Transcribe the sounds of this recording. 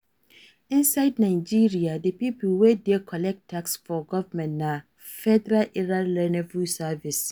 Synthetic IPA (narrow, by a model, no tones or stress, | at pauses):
ĩnsaɪdnãɪd͡ʒiɹiadepipʰlwedɛkʰɔlɛk̚tʰːaksfɔɡɔvamɛ̃ntna | fɛdɛɾalʔɛɹallɛnɛ̃vusavis